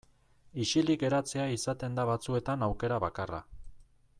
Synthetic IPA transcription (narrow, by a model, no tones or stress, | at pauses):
iʃiliɡe̞ɾat͡se̞aisat̪e̞nd̪aβat͡sue̞t̪anawke̞ɾaβakara̰